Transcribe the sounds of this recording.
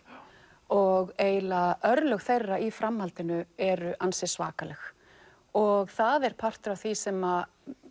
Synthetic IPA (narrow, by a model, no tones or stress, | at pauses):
ɔɣeːjlaʔœɾlœxθejrːaifɾamhalt̪ɪnʏɛɾʏʔansɪsva̰ːkalɛx | ɔɣθaðɛɾ̥pʰar̥t̪ʏɾawθvisɛma